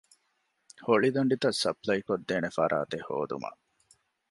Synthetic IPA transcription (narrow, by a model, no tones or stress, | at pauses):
hoɭid̪uɳɖit̪ɐsːɐplɐjkod̪ːeːnefɐɾʔa̰ːt̪eho̰ːd̪ṵmɐ̰